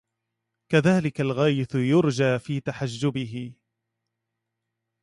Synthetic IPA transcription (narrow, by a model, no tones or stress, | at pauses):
kaðaːlɪkalɣaːjɪθjʊɾd͡ʒaːfiːt̪aħad͡ʒːʊbɪɦɪ